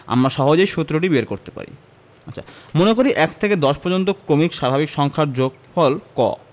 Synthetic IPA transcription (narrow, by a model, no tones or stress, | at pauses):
a̰mɾaʃɔɦod͡ʑojʃot̪ːɾoʈibeɾkoɾt̪e̥pa̰ɾḭ | atːt͡ɕʰa̰monekoɾiʔɛkt̪ʰeked̪ɔʃpɔɾd͡ʑont̪̬okɾomikʃabʱabikʃɔŋkʰaɾd͡ʑoɡ̚ | fɔlkɔ̰